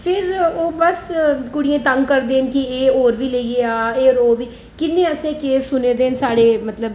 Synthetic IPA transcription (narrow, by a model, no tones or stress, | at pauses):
pʰɪɾoːbəskʊɽɪẽːt̪əŋɡkəɾd̪eːnkieːɦoːɾʋiːləiːeːaːeːɾoːʋiː | kɪnːẽːəsẽːkeːsːʊneːd̪eːnsaːɽeːmət̪ləb